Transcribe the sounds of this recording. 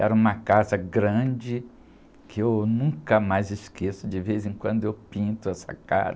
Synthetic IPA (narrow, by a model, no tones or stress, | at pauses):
ɛ̰ɾɐũmɐkazɐɡɾɐ̃d͡ʒɪ | kʰɪewnũkɐmajzɪskʰesʊd͡ʒɪvezẽkwɐ̃nd̪ʊewpĩnt̪ʊɛsɐ̰ka̰ɾɐ